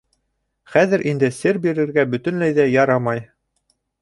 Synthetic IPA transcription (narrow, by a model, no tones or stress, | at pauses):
χæðɘ̆ɾʔind̪ɘsɘɾbiɾɘ̆ɾɡæbɵ̆t̪ɵ̆nlæjðæjɑɾɑmɑj